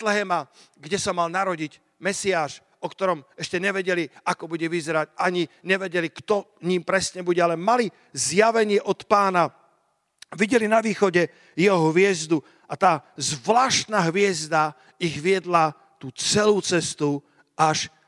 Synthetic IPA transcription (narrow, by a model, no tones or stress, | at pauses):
t̪lɛɦɛma | ɡɟɛsamalnaɾɔɟiɟ | mɛsiaːʃ | ɔkt̪ɔɾɔmɛʃcɛɲɛʋɛɟɛliakɔbuɟɛʋizɛɾaɟaɲiɲɛʋɛɟɛlikt̪ɔ | ɲiːmpɾɛsɲɛbuɟɛalɛmali | zjaʋɛɲɪɛʔɔt̪paːna | ʋiɟɛlinaʋiːxɔɟɛ | jɛɦɔɦʋɪɛzd̪u | at̪aːzʋlaːʃt̪naɦʋɪɛzd̪a | iɣʋɪɛd̪la | t̪uːt͡sɛluːt͡sɛst̪u | aʃ